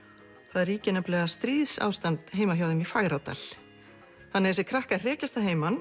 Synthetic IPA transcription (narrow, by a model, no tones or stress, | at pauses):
θaðɛɾiːcɪnɛplɛɣast̪ɾiːðsa̰ːwst̪ant̪ɦeːjmaçjawðɪmifaɣɾat̪a̰l̥ | θanːɛɣsɛkʰɾahkarɛːcast̪aɦeːjman